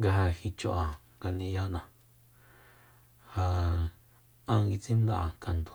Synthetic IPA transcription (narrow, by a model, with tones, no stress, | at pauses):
ŋɡa˧ɦa˧hi˧t͡ʃo˧ʔa˨ŋɡa˧nĩ˧ja˧nã˧ | ha˧ | ã˧ɡi˧t͡sĩ˦m˦d̪a˦ʔa˨ka˨nd̪o̥˨